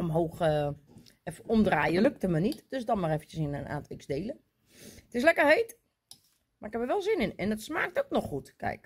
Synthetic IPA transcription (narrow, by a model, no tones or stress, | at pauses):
omɦoːxə | ɛfomdraːjəløk̚təmənitd̥øsdɔnmarɛfən̩tjəsɪnəna̰ːntɪksdeːlə | tɪs̬lɛkərheːt | maɪkhɛpəʋɛlˠsɪnɪnɛndɔtsmaːk̚toknɔxxutkʰɛ̰jk